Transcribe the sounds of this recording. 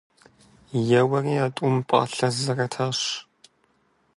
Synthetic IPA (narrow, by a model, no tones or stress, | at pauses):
jɛwɐriːaːtʷʼʊmpʼɐ̰ɬɐzɐrɐtʰaːɕ